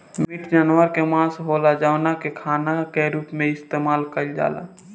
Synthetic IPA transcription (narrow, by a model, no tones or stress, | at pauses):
mmɪʈʰd͡ʒənʋəɾkemãːsɦoːlad͡ʒaʊnakekʰaːnakeɾuːpmẽɪst̪eːmaːlkəld͡ʒa̰ːla̰